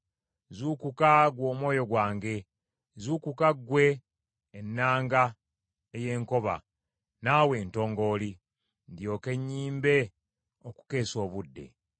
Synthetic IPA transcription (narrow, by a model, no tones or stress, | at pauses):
zuːkukaɡwo̞ːmwo̞ːjo̞ɡwaːŋɡe̞ | zuːkukaɡwe̞ː | nːaːŋɡa | eje̞ːŋko̞βa̰ | nawe̞ːnto̞ːŋɡo̞ːli | ndjo̞ke̞ɲːiːmbe̞ | oku̥ke̞ːso̞ːβudːe̞̰